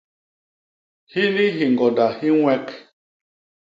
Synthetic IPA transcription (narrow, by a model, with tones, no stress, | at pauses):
hi˦ni˦ɦi˨ŋɡɔ˨da˨hi˦ŋʷɛ˦k